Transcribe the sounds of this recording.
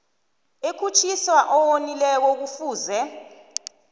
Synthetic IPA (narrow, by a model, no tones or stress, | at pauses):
ekʰut͡ʃʰiswaʔɔwonilɛk̬ɔk̬ufuːzɛ